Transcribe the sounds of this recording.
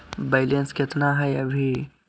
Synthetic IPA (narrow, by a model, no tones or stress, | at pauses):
beɪlenskɪt̪naɦɛɐbʱi